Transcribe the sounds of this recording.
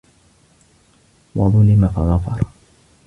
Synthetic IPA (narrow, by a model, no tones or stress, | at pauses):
wɑ̰ðˤʊlɪmafɑɣɑfɑɾˤ